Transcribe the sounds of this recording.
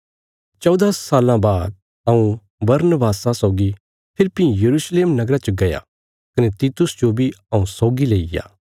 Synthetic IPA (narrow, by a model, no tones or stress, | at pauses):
t͡ʃɔʊd̪aːsːaːlãbaːd̪̚ | ɐũ | bɐɾnəbaːsãsɔʊɡi | pʰɪɾpijɐɾuːʃleːmnɐɡɾat͡ʃəɡɐja̰ | kɐnet̪iːt̪ʊsd͡ʒobʱiɐũsɔʊɡileːija̰ː